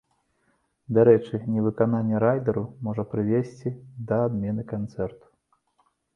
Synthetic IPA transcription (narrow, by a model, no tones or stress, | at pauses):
d̪aɾɛt͡ʂɨnʲɛvɨkananʲːɛɾajd̪ɐɾumɔʐɐpɾɨvʲesʲt͡sʲid̪ɐːd̪mʲɛnɨkant̪sɛrt̪u̥